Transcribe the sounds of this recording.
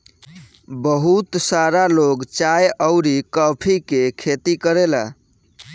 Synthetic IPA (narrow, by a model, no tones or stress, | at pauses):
bəɦut̪saɾaloɡt͡ʃajəʊɾikəpʰikekʰet̪ikəɾela̰